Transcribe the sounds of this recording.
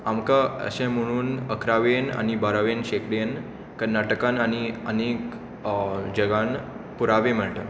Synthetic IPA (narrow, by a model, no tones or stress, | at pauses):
amkaə̰ɕɛ̃m̤əɽ̃uːnəkʰɾaʋena̰ñibaɾaʋenɕekɽen | kəɾnaʈəkãnañiənek | d͡ʑəɡan | puɾaʋẽm̤əɳʈ̪ə